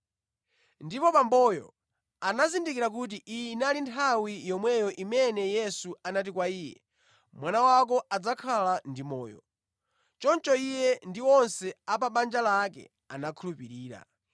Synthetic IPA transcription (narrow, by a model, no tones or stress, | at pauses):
ndipɔpambɔjɔ̰ | anazindikiɾakut̬iʔijnalintʰawijɔmwɛjɔʔimɛnɛjɛsuanat̬ikwaiːjɛ̰ | mwanawak̬ɔad͡zakʰalandimɔ̰ːjɔ̰ | t͡ʃɔnt͡ʃɔijɛndiwɔnsɛapaɓand͡ʒalakɛ̰ | anakʰulupiɾiːɾa̰